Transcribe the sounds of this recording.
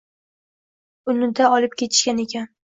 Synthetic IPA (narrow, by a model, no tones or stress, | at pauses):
ʊnɪd̪aɒlˠɪp̚kʲe̞t̪ʰɪ̥ʃkʲane̞kʲʰan